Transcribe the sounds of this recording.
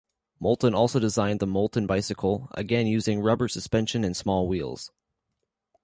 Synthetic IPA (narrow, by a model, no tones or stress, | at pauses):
molˠʔn̩ɔlˠsoʊdɨzãɪ̃nðəmoʊlˠʔn̩baɪsɨkʰl̩ˠə̰ɡɛ̃njʉzɪ̃ŋɹʌbə˞sɨspɛ̃nʃɨ̃nɨ̃nsmɔlˠwilˠz̥